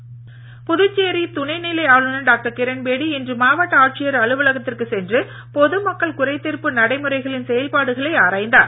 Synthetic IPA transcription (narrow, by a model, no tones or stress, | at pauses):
pʊðɯt͡ʃːeːɾit̪ʊɳɐɪnɪlɐɪaːɭɯnɐɖaːk̚ʈɐɾkɪɾɐnbeːɽiɛndrɯmaːʋɐʈːɐaːʈ̚t͡ʃɪjɐɾɐɭɯʋɐɭɐɣɐt̪ːɪrkɯsɛndrɯ | pɔðɯmɐkːɐɭkʊɾɐɪt̪ːɪrpɯnɐɽɐɪmɯɾɐɪɣɐɭɪnsɛjɐlpaːɽɯɣɐɭɐɪaːɾaːjnd̪aːɾ